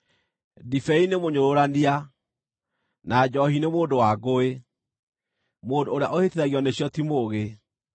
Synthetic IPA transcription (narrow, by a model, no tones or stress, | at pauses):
difɛinemoɲoɾoɾania | nad͡ʒɔhinemoːndowaɡoe | moːndoːɾeaʔoheteɾaɣiɔneɕjɔtimoɣe